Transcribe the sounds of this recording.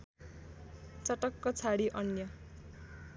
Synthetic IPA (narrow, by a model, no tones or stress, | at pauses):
t͡sʌʈʌkːʌt͡sʰaɽiʔʌnjʌ